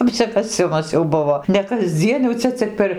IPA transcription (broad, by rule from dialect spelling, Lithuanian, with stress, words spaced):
ɐpʲsʲɪkɐˈsʲɪmɐs jɛʊ ˈbʊʋoː nʲɛ kɐzʲˈd͡zʲiɛn jɛʊ ˈt͡sʲɛ t͡sʲɪk pʲɛr